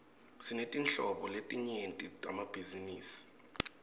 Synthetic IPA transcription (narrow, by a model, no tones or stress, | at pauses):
sinetʼint͡ɬɔɓɔletʼiɲentʼitʼamab̥ʱiziniːsi̥